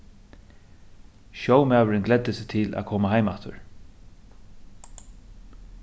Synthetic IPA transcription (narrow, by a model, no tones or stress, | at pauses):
ʃɔwmæːwəɹɪnɡlɛd̪ɪsɪt̪ʰɪlʔæ̰ːkʰɔːmaɦajmat̪ʰʏ̰ɹ